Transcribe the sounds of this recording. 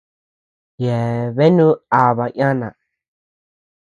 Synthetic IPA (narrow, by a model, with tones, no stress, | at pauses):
je˨βe˦nũ˦a˨βa˨jã˦nã̰˨